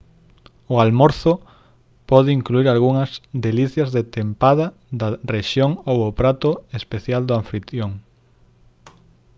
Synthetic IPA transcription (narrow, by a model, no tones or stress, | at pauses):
ʊalmoɾθʊ | pɔð̞ɪiŋkluiɾalɣuŋɐzd̪eliθjɐzðet̪empaðɐðɐreʃjoŋowʊpɾat̪ʊespeθjald̪oaɱfɾit̪joŋ